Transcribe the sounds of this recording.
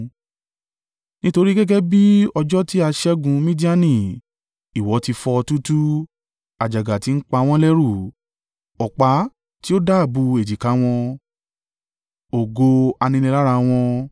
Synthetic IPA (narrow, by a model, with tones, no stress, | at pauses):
nĩ˦to˧ɾi˦ɡɛ˦ɡɛ˦bi˦ɔ˧d͡ʒɔ˦ti˦a˧ʃɛ˦ɡũ˧mĩ˦di˦a˦nĩ˨ | i˨wɔ˨˦ti˧fɔ˧tu˦tu˦ | a˨d͡ʒa˨ɡa˨ti˨˦n̩˦k͡pa˧w̃ɔ̃˦lɛ˦ɾu˦˨ | ɔ˨k͡pa˧˦ | ti˦o˦da˦˨bu˧e˨d͡ʒi˨ka˨˦w̃ɔ̃˧ | o˨ɡo˧a˧nĩ˧lĩ˧la˦ɾa˧w̃ɔ̃˧